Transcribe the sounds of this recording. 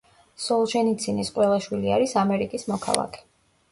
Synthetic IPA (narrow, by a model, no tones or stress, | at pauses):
sɔlˠʃɛnit̪sʰinisqʼwɛlˠaʃwiliaɾisamɛɾikʼismɔkʰa̰lˠa̰kʰɛ̥